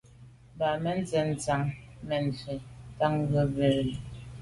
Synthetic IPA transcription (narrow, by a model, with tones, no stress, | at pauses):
ba˨mɛ˦n̩˦zɛ˨n̩˨t͡sa˨ŋmɛ˨n̩˨fe˨ta˦ŋ˦ɣə˦be˨ɾ